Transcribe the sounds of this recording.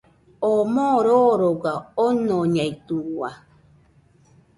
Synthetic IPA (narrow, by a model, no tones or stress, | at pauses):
omõɾoɾoɡaonõɲait̪uwa